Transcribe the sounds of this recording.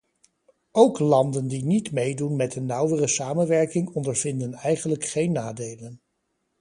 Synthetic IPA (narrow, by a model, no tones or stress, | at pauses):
owklɑndəndinitmejdunmɛtənːʌwərəsaːmənʋɛɹkɪŋɔndəɹv̥ɪndənɛjχənləkχejnːaːdejlən